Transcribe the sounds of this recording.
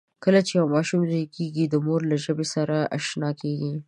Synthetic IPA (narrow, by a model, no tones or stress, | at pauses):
kəlat͡ʃejawmɑʃumzakeɡid̪əmoɾlaʒəbesaɾaʔa̰ʃnɑkeɡi